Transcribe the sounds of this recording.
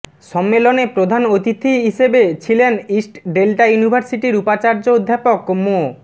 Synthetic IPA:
ʃɔmːelonepɾod̪ʱanot̪it̪ʰːiɦiʃebet͡ɕʰilenisʈɖelʈajunibʱaɾsiʈiɾupat͡ɕaɾd͡ʑood̪ʱːapokmo

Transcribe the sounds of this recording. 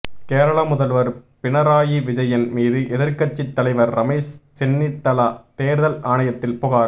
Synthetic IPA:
keːɾɐɭɐmʊðɐlʋɐɾpɪnɐɾaːjiʋɪd͡ʒɐjɐnmiːðɯʔɛðɪɾkɐt͡ʃːɪt̪ːɐlɐɪʋɐɾːɐmeːst͡ʃɛnːɪt̪ːɐlɐt̪eːɾðɐlaːɳɐjɐt̪ːɪlpʊɣaːɾ

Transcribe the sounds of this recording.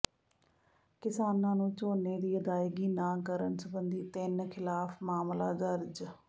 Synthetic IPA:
kɪsaːnãːnũːt͡ʃoːneːd̪iːəd̪aːɪɡiːnãːkəɾənsəbənd̪iːt̪ɪnkʰɪlaːpʰmaːmla̰ːd̪əɾd͡ʒ

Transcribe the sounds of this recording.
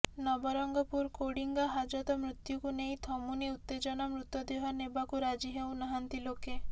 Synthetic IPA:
nɔbɔɾɔŋɡɔpuɾkoɽiŋɡɔɦad͡ʒɔd̪ɔmɾut̪jukunej̃t̪ʰɔmuniut̪ːed͡ʒɔnɔmɾut̪ːɔd̪iɦɔnebakuɾad͡ʒiɦewnaɦant̪iloke

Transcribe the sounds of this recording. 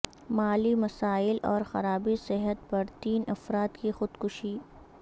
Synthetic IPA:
maːlimɐsaːɪlɔːɾxɐ̰ɾaːbisɪɦət̪̚pɐɾt̪iːnɐfɾaːt̪kixʊd̪kʊʃiː

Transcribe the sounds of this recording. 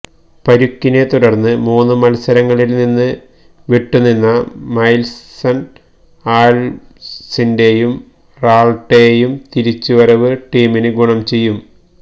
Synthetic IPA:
pɐɾukːine̞t̪uɽɐrnːɨmuːnːɨmɐlsɐɾɐŋːɐɭilninːɨ | ʋiʈːunːinːɐmɐjlsɐn | aːl | sinde̞jum | raːɭʈːe̞jumt̪iɾit͡ɕːuʋɐɾɐʋɨʈiːminɨɡuɳɐmt͡ɕe̞jːum

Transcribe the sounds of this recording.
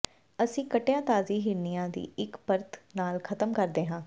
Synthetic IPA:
əsĩːkəʈjãːt̪aːziːɦɪnijãːd̪ḭːɪkpəɾt̪naːlkʰət̪əmkəɾd̪eːɦãː

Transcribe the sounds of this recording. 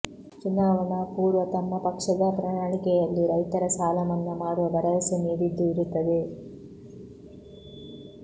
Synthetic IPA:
t͡ʃinːaːʋɐnɐpuːɾʋɐt̪ɐmːɐpɐkʂɐd̪ɐpɾɐɳaːɳikɛjɐlːiɾɐjt̪ɐɾɐsaːlɐmɐnːɐmaːɽuʋɐd̪ɐɾɐjɐsɐneːd̪id̪ːuiɾut̪ːɐd̪e

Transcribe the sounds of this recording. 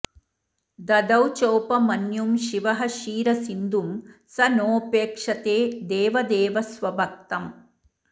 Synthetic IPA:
d̪ɐd̪ɐwt͡ʃoːpɐmɐnjumʃiʋɐɦɐʃiːɾɐsind̪umsɐnoːpeːkʂɐt̪eːd̪eːʋɐd̪eːʋɐsʋɐbʱɐk̚t̪ɐm

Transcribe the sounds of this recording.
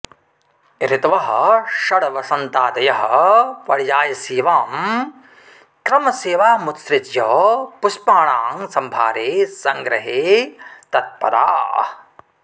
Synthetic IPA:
ɾit̪ʋɐɦɐ̆ʃɐɽɐʋɐsɐnt̪aːd̪ɐjɐɦɐ̆pɐɽjaːjɐsiːʋaːm | kɾɐmɐseːʋaːmut̪sɾɪt̪jɐpuʃpaːɳaːŋsɐmbʱaːɾeːsɐŋɡɾɐɦeːt̪ɐt̪̚pɐ̰ɾa̰ː

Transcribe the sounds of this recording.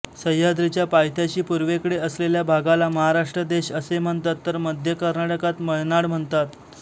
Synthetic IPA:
səjad̪ɾit͡ɕjapajt̪ʰjat͡ɕiːpuɾʋekəɽeəsleljabʱaɡalaməɦaɾaʂʈɾəd̪eɕəsem̤əɳt̪at̪ːəɾməd̪ʱjəkəɾnaʈəkat̪məjnaɽm̤əɳt̪at̪

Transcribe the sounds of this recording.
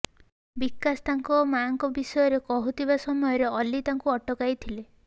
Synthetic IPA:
bikːast̪aŋkɔmaŋkɔbisɔjɔɾekɔɦut̪ʰibasɔmɔjɔɾeɔlit̪aŋkuɔʈɔkajt̪ʰile

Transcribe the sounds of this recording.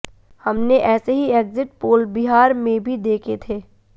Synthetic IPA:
hɐmneʔɛːseɦieːɡzɪʈ̚poːlbiɦaːɾmẽbʱid̪eːkʰet̪ʰeː

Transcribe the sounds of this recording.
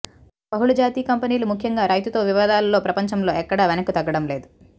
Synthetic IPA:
bɐɦuɭud͡ʒaːt̪iːkɐmpɐniːlumukʰjɐŋɡaːɾɐjt̪ut̪o̞ːʋiʋɐːd̪aːlɐlo̞ːpɾɐpɐɲt͡ʃɐmlo̞ːɛkːɐɽaːʋenɐkut̪ɐɡːɐɽɐmle̞ːd̪u

